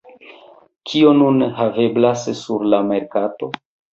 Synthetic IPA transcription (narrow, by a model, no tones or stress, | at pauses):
kʰio̞nunɦave̞blassuɾlame̞ɾkato̞